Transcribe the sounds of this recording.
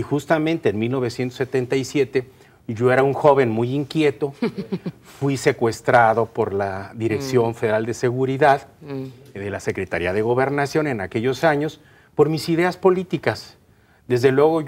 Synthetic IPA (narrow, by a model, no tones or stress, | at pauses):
ixust̪amẽ̞nt̪eːnmilno̞β̞e̞sje̞nt̪oset̪e̞nt̪aisje̞t̪e̞ | ʝo̞e̞ɾauŋxo̞βe̞nmujiŋkje̞t̪o̞ | fwise̞kwe̞st̪ɾaðo̞po̞ɾlaðiɾe̞ksjo̞ɱfe̞ðe̞ɾald̪e̞se̞ɣuɾiðað | ðe̞lase̞kɾe̞t̪aɾiaðe̞ɣ̞o̞βe̞ɾnasjo̞ne̞nake̞ʝo̞saɲo̞s | po̞ɾmisiðe̞aspo̞lit̪ikas | d̪e̞zðe̞lwe̞ɣo̞